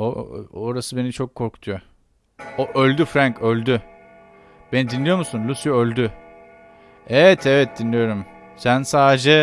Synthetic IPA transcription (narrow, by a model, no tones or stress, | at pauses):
o̰oɾasɯbe̞nit͡ʃʰo̞kʰːo̞ɾku̥t̪ʰujo | oʔølʲd̪yfɾaŋkø̞lʲd̪y | b̥e̞nid̪inlʲijo̞musunlʲusjoølʲd̪y | evɛt̪ʰɛvɛt̪̚d̪inlʲijo̞ɾum | sænsaːd̪ed͡ʒɛ